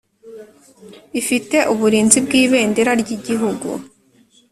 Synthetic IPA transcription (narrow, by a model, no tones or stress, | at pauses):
ifite̞ʔuβuɾiːnzibɡiːβe̞ːndeɾaɾɟiɟiɦuɡṵ